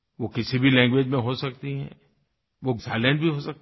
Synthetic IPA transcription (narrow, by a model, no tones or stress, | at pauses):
ʋokɪsibʱilɛ̃ːŋɡʋeːd͡ʒmẽɦosɐkt̪iɦɛ̰̃ː | ʋozaːlɛ̃ɳʈbʱiɦosɐk̚t̪